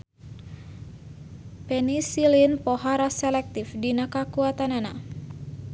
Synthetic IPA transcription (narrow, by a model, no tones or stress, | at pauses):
pɛnisilinpɔɦaɾasɛlɛk̚t̪ifdinakakuat̪anana